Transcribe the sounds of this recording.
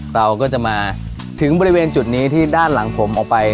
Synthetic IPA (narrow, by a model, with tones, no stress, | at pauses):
ɾa˧wkɔː˥˩t͡ɕa˨˩maː˧ | t̪ʰɯ˩˦ŋbɔː˧ɾi˦˥weː˧nt͡ɕu˨˩t̪̚niː˦˥t̪ʰiː˥˩daː˥˩nla˩˦ŋpʰo˩˦mʔɔː˨˩k̚pa˧j